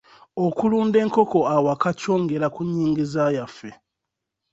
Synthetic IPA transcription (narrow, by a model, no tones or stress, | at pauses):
okuluːnde̞ːŋko̞ko̞awakaco̞ːŋɡe̞ɾakuɲːiːŋɡizaːjafːe̞